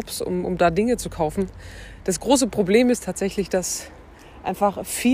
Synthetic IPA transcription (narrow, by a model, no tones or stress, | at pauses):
psʊ̰mʔʊ̰mdaːdɪŋət͡sukʰaʊfn̩d̥asɡ̥ʁoːs̬əpʁ̥obleːmɪstʰaːtz̥ɛçlɪçd̥as | ʔa̰ɪnfaχfiː